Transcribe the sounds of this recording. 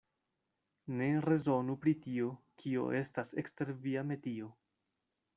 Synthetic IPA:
ne̞ɾe̞zo̞nupɾitio̞kʰio̞̰ʔe̞stase̞̰kste̞ɾviame̞tio̞

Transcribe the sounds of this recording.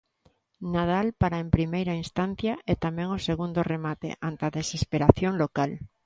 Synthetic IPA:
nað̞alpaɾaempɾimejɾainst̪an̟θjɐʔɛt̪amɛ̃ŋoseɣund̪oremat̪ḛʔant̪aðesespeɾaθjoŋlokal

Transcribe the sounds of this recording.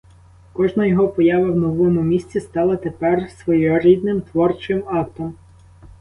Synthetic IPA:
kɔʒnɐjɔɦɔpɔjɑʋɐwnɔʋɔmʊmʲisʲt͡sʲist̪ɑlˠɐt̪epɛrsʋɔjɔɾʲid̪nɪmt̪ʋɔrt͡ʃɪmɑkt̪ɔm

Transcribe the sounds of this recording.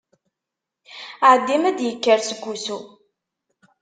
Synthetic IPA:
ʕəd̪ːimæd̪jəkːəɾsəɡʷːusu

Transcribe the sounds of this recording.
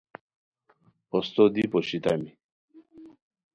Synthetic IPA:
ost̪od̪ipoɕit̪ami

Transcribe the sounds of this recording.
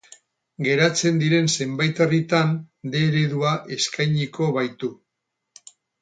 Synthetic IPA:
ɡe̞ɾat͡se̞nd̪iɾe̞nse̞mbajt̪erit̪and̪e̞ɾeðuaʔe̞skajɲiko̞βajt̪u

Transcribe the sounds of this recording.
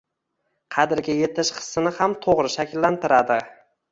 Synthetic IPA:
qʰɑd̪ɪɾɡʲaje̞t̪ʰɪʃqʰɨ̥sːɪnɪhamt̪ʰoʁɾɪʃakʲʰɪlːant̪ɪɾad̪ɪ

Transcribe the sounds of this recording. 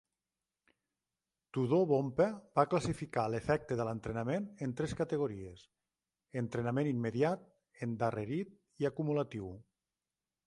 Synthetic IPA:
t̪uðoβompebaklasifikalefɛk̚t̪eðələnt̪ɾenamenənt̪ɾɛskat̪əɣ̞oɾies | ənt̪ɾenamẽnimmːeðjat̪̚ | end̪areɾit̪̚ | iakumulat̪iw

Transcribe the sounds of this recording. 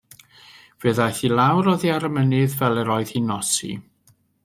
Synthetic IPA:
vəːðajθilˠawɾɔðiaɾəmənɨðvɛlˠɛɾɔɨð̥hinɔsḭ

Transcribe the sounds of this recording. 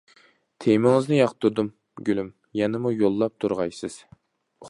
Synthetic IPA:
t̪ʰejmɪŋɨznɨjɑqt̪ʰuɾd̪um | ɡʲylym | jɛnɪmujolˠːɑp̚t̪ʰuɾʁɑjsɨz̥

